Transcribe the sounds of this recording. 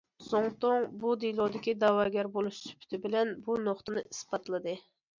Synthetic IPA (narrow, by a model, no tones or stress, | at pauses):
soŋt̪oŋbud̪ijlˠod̪ɪkʲid̪ɑwɑɡʲɛɾbolˠuʃsy̥pʰɪ̥t̪ʰɪbɪlɛnbunoχt̪ɨnɨisbɑt̪lˠɨd̪ɨ